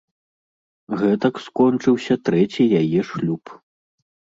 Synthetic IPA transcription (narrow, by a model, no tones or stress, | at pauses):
ɣɛt̪ɐkskɔnt͡ʂɨwsʲɐt̪ɾɛt͡sʲijajɛʂlʲup